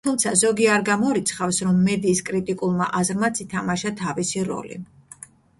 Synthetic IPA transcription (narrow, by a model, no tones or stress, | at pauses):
t̪ʰumt̪sʰazɔɡiaɾɡamɔɾit̪sʰχafsɾɔmːɛd̪iːskʼɾit̪ʼikʼulˠma̰ʔazɾmat̪sʰit̪ʰamaʃat̪ʰavisiɾɔ̰lḭ